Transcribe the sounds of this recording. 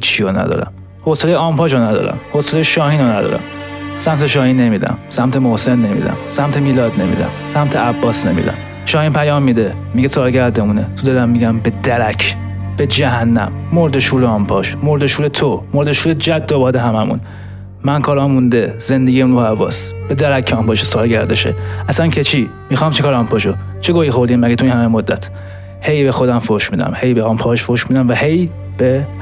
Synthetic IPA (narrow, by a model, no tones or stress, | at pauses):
hit͡ʃʰːionæ̰d̪ɒ̰ːɾæ̰m | hoselejeɒːmpʰɒːʃonæd̪ɒ̰ːɾæ̰mhoselejeʃɒːhiːnonæd̪ɒ̰ːɾæ̰msæmt̪ʰeʃɒːhinːemid̪æ̰msæmt̪ʰemohsenːemḭd̪æ̰msæmt̪ʰemiːlɒːd̪nemḭd̪æ̰msæmt̪ʰeæbːɒːsnḛmḭd̪æ̰m | ʃɒːhiːnpʰæjɒːmːid̪e | miɡesɒːɾɟæɾd̪emunet̪ʰod̪ɒːd̪æmːiɟæmbed̪æɾæcʰ | b̥ed͡ʒæhænːæ̰mːoɾd̪eʃuːɾeɒmpʰɒːʃmoɾd̪eʃuːlet̪ʰomoɾd̪eʃuːled͡ʒæd̪ːobɒːd̪eɦæmæmṵn | mænkʰɒːɾɒːmund̪ez̥end̪eɡiæɾuːhævɒ̰ːs | b̥ed̪æɾæcʰːeɒmpɒːʃesɒːlɟæɾd̪eʃḛæsæncʰet͡ʃʰi | mixɒːmt͡ʃʰekɒːɾɑmpʰɒʃo | t͡ʃʰeɡoːixo̞ɾd̪iːmmæɡet̪ʰoiːnhæmemod̪ːæt̪ʰ | hejbexo̞d̪æmfoʃmiːd̪æ̰mhejbeɒmpʰɒʃfoʃmiːd̪æmvæhe̞j | b̥e